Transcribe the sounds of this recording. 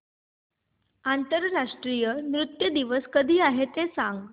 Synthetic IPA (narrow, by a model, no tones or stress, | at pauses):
ant̪əɾɾaʂʈɾijəmɾut̪jəd̪iʋəskəd̪ʱiːaɦet̪esãŋɡ